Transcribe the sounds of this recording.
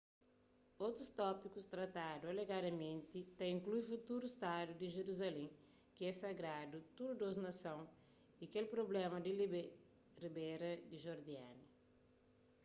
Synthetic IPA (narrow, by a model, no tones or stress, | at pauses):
owt̪ɾust̪ɔpikust̪ɾɐt̪ad̪ualeɡad̪ɐmẽnt̪it̪aĩŋklujfut̪uɾust̪ad̪ud̪iʒeɾuzalẽ | kɪɛsɐɡɾad̪ut̪uɾud̪oznɐsɐ̃w̃ | ikelpɾoblɛmɐd̪i | ribɛɾɐd̪iʒoɾd̪iani